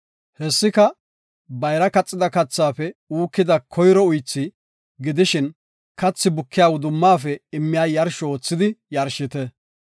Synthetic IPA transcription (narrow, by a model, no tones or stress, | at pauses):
hɛsːɪkɐ | bɐjɾɐkɐt͡sʼːɪd̪ɐkɐt͡sːaːfɛuːkːɪd̪ɐkʰɔjɾɔʊjt͡sːɪ | ɡɪd̪ɪʃɪn | kɐt͡sːɪbʊkʰːɪjaːwʊd̪ʊmːaːfɛɪmːɪjaːjɐɾʃɔoːt͡sːɪd̪ɪjɐɾʃɪt̪ɛ